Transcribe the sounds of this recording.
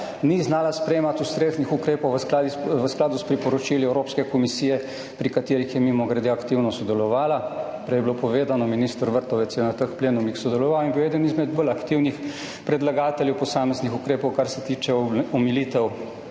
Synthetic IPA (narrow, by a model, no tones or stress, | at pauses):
niznaːlaspɾɛjeːmat̪ust̪ɾeːznixukɾeːpɔwʋəskad̪iʋəsklaːd̪uspɾipɔɾɔt͡ʃiliɛwɾoːpskɛkɔmisiːjɛ | pɾikat̪eːɾixjɛmimɔɡɾɛd̪eakt̪iwnɔsɔd̪ɛlɔʋaːla | pɾɛjɛblopɔʋeːd̪anɔminiːst̪ɾʋəɾt̪ɔʋɛtsjɛnat̪əkpleːnumjixsɔd̪ɛlɔʋaːwinbiwɛd̪ənizmɛd̪bɔlakt̪iwnix | pɾɛd̪laɡaːt̪ɛljɛwpɔsaːmɛznixukɾeːpɔwkaɾsɛt̪iːt͡ʃɛɔmilit̪ɛw